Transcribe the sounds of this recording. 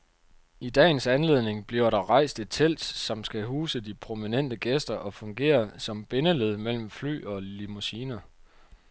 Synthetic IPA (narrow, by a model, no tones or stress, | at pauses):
id̥ɛ̰ːn̩sænle̝ð̞̰ˠne̝ŋb̥liɐɾɑ̈ʁɑ̈ɪ̰sd̥et͡sʰel̰d̥sɒ̽msɡ̥æɦuːsədipʰʁo̝minen̰d̥əɡ̥esd̥ɐʔɒ̽fɔ̽ŋɡ̥e̝̰ːɐsɒ̽mb̥e̝nəleð̞ˠmel̰m̩fly̰ːɒ̽limusiːnɐ